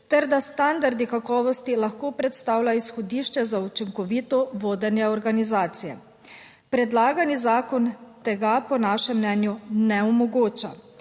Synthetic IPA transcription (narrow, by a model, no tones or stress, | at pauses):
t̪ɛɾd̪ast̪and̪aɾd̪ikakɔːʋɔst̪ilaxkoːpɾɛt̪st̪aːwlaisxɔd̪iːʃt͡ʃɛzaut͡ʃiŋkɔʋiːt̪ɔʋoːd̪ɛnjɛɔɾɡanizaːt̪sijɛ | pɾɛd̪laːɡanizaːkɔnt̪ɛɡapɔnaːʃɛmːnɛːnjunɛɔmɔɡoːt͡ʃa